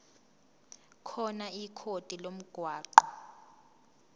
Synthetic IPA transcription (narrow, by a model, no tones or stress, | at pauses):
kʰɔnaikʰod̥ʱilom̩ɡ̥ʱwaːǃɔ